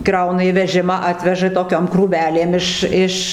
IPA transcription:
ˈkrɐʊnɐ iː ˈʋʲæːʒʲɪmɑː ˈɑːtʲʋʲɛʒɐ toːˈkʲɛm kruːˈʋʲæːlʲeːm ˈɪʃ ˈɪʃ

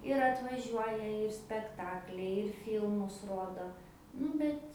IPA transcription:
ɪr ɐtʋɐˈʒʲuɔjɛ ɪr sʲpʲɛkˈtɑːklʲɛɪ ɪr ˈfʲiːlˠmʊs ˈroːdoː ˈnʊ bʲɛt

